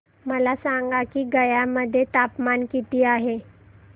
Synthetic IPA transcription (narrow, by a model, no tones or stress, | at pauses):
məlasaŋɡakiːɡəjaməd̪ʱːjet̪apmankit̪iːaɦe